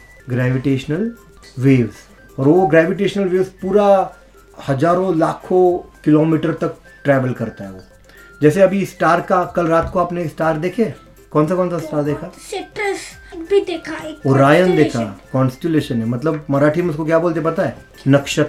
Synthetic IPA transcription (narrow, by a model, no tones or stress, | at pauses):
ɡɾɛːʋɪʈeːʃnəl | ʋeːʋz | ɔːɾʋoɡɾɛːʋɪʈ̬eːʃnəlʋeːʋspuːɾa | hɐd͡ʒaːɾõlaːkʰokɪloːmiːʈəɾt̪ɐk̚ | ʈɾɛːʋəlkɐɾt̪aɦɛʋo | d͡ʒɛːseɐbʱisʈaːɾkakɐlɾaːt̪koaːpneksʈaːɾd̪eːkʰẽ | kɔːnsakɔːnsasʈaːɾd̪eːkʰaseʈəs | bʱid̪eːkʰaeoːɾaːjənd̪eːkʰakɔ̃ːnsʈeleːʃənɦɛmɐt̪ləbmɐɾaːʈʰimʊskok̬jaːboːlt̪ep̬ɐt̪aɦɛː | nɐkʃət̪